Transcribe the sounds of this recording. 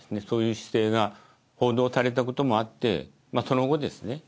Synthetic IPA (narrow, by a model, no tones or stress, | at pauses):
sɨne̞so̞ːjɯ̟ːɕi̥se̞ːɡa | ho̞ːd̪o̞ːsaɾe̞t̪̬ako̞t̪o̞mo̞at̪ːe̞̰ | maso̞no̞ɡo̞d̪e̞sɨ̥ne̞